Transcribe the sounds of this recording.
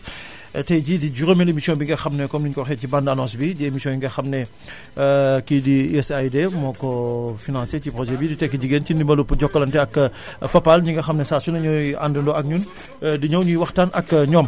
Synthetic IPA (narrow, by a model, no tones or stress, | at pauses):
tɛɟidiɟuɾomelemisiɔ̃nbiŋɡɐxɐmnɛkɔmniɲkɔxɛcibɐndanɔnsbiɟiemisijɔ̃jiŋɡɐxɐmnɛ | kidiɛsajdɛmɔkɔfinãnsecipɾɔʒɛbiditɛkːiɟiɡentindimɐlupuɟɔkːɐlɐntɛɐkːfɐpːalɲuŋɡɐxɐmnɛsaːsunɐɲɔja̰ndɐndɔɐk̚ɲun | diɲɐwɲujwɐxtanʔɐkːɲɔːm